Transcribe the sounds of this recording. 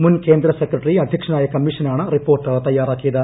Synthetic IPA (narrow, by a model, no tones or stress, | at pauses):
munkeːnd̪ɾɐsekɾɐʈɾiɐd̪ʱjɐkʂɐnaːjɐkɐmːiʂɐnaːɳɐɾipoːɾʈt̪ɐjːaːɾaːkid̪ɐ